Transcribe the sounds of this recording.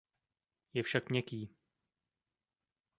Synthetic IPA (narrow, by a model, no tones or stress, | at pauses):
jɛfʃakmɲɛkiː